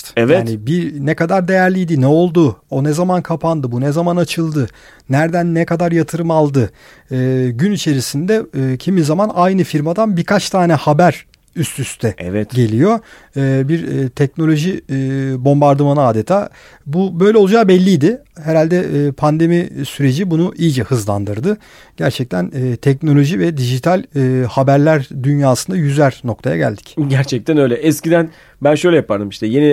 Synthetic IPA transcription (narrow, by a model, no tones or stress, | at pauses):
ɛvjaːnibiɾnɛkad̪aɾd̪e̞jæɾlʲijd̪inɛo̞lˠd̪uo̞nɛzamankʰapʰand̪ɯbunɛzamanat͡ʃʰɯlˠd̪ɯ | næɾd̪ænːɛkad̪aɾjat̪ʰɯɾɯmalˠd̪ɯ | ɯːɟynit͡ʃʰe̞ɾisind̪ɛːcʰimizamanajnɯfiɾmad̪anbikʰat͡ʃt̪ʰaːnɛhabæɾ | yst̪ʰyst̪ʰɛvɛtɟe̞lʲijo̞ | ɯːbiɾt̪ʰɛcno̞lʲo̞ʒibo̞mbaɾd̪ɯmanɯaːd̪et̪ʰaː | bubøjlʲɛolˠad͡ʒaːbɛlʲːijd̪ɪɦeɾalʲd̪ɛʔpʰand̪e̞misyɾe̞d͡ʒibunuʔijid͡ʒɛhɯzlˠa̰nd̪ɯɾd̪ɯ | ɟ̥æɾt͡ʃʰɛc̚t̪ʰænːt̪ʰɛc̚no̞lʲo̞ʒivɛd̪iʒit̪ʰalʲːhabæɾlʲæɾd̪ynjaːsɯnd̪ajyzæɾno̞k̚t̪ʰaja̰ɟæ̰lʲd̪i̥cɟæɾt͡ʃʰɛc̚t̪ænø̞jlʲɛʔɛscid̪æn | bænʃøjlʲɛjapʰaɾd̪ɯmiʃt̪ʰɛjeni